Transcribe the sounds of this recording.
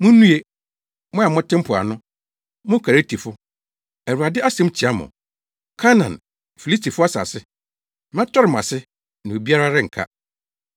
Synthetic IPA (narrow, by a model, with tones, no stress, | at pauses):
mʊ̃˦nũ˦e˦ | mʊ̃˦a˨mʊ̃˦tʰɪ̃˦m̩˦pʰʊ˨a̰˨nʊ̃˦ | mʊ̃˦kʰa˨e˦tʰi˨fʊ˦ | æ˨wu˨a˨dɪ˦ʔa˦sɛ̃˦m˦t͡ɕʰi˨a˦mʊ̰̃˨ | kʰa˦nã̰˨n | fi˨li˦stʰi˨fʊ˦a˦sa̰˨sɪ˦ | m˦ã˦tʰɔ˦ɾɪ˨m˨a̰˨sɪ˦ | nã˨o˨bi˦a˦ɾa˦ɾɪ˦ŋ̩˨kʰa̰˦